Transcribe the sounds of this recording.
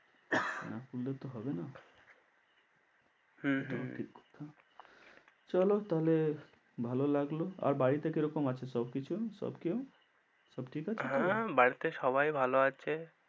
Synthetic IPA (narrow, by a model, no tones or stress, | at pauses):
napullet̪oɦɔbena | ɦɦoʈʰikkt̪ʰa | t͡ʃəlot̪əɦle | bʱalolaɡloa̰ɾbaɽit̪ekeɾokomat͡ʃʰesəbkit͡ʃʰusə̰bkeo | səbʈʰikat͡ʃʰeɦãbaɽit̪eʃɔbajbʱaloat͡ʃʰe